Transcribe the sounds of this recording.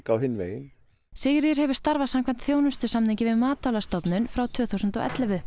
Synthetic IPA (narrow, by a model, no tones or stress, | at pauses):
kawhɪnːmḛːjɪn | seːjɪɾjɛɾ̥ɦɛvʏɾ̥st̪aɾvasamkʰvaɛnt̪θjoːwnʏst̪ʏsamniɲcɪvɪðmaːt̪ʰawlast̪ɔpnʏnfɾawt̪ʰv̥œːθuwsʏnt̪ɔʔɛ̰t̪lɛvʏ